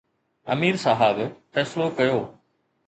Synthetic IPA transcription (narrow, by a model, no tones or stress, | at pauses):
ɐ̰miːɾsaɦəbfɛːslokɐjoː